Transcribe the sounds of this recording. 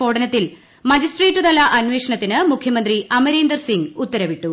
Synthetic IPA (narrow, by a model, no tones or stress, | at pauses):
o̞ːɽɐnɐt̪ːil | mɐd͡ʑisʈreːtːud̪ɐlɐʔɐnʋe̞ːʂɐɳɐt̪ːinɨmukʰjɐmɐnd̪riʔɐmɐɾeːnd̪ɐrsiŋɡut̪ːɐɾɐʋiʈːu